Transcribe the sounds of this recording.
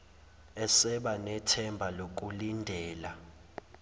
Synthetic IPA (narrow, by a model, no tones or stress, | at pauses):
ɛsɛɓanɛtʰɛmbʱalok̬ʼulindʱɛːla